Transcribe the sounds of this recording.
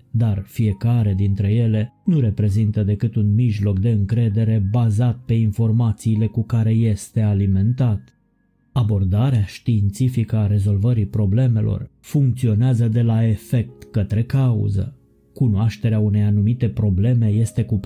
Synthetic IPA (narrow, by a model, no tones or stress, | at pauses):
d̪arfije̞kaɾe̞d̪int̪ɾe̞je̞le̞nuɾe̞pɾe̞zint̪əd̪e̞kɨt̪unmiʒlo̞k̚d̪e̞ɨŋkɾe̞d̪e̞ɾe̞bazat̪̚pe̞info̞rmat̪siːle̞kukaɾe̞je̞st̪e̞alime̞nt̪at̪ | abo̞rd̪aɾeaʃt̪iːnt̪sifikəaɾe̞zo̞lvəɾipɾo̞ble̞me̞lo̞̰rfuŋk̚t̪sio̞neazəd̪e̞lae̞fe̞k̚t̪kət̪ɾe̞kaṵzə̰ | kunoaʃt̪e̞ɾeaune̞janumit̪e̞pɾo̞ble̞me̞je̞st̪e̞kup